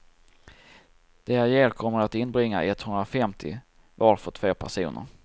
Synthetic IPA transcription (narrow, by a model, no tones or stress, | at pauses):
d̪̥ɛajeːɾkʰɔmːəɾat̪ɪnːbɾɪŋːa̰ʔɛt̪hɵnd̪ɾafɛmt̪ʰɪ̰ | vɑɾfœʈʰvoːpʰæʂṵːnʔə̰ɾ